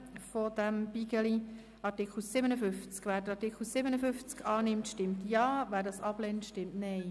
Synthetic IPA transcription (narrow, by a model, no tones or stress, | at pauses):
fod̥æmb̥iɡəli | ɑɾtɪkl̩sɪbənəfʏft͡skʋæːɾd̥əɾɑɾtɪkʰl̩sɪbənəfʏft͡skʰɑːnɪmtʃtɪmtjɑːvæːɾdɑsɑb̥lɛntʃtɪmtnɛɪ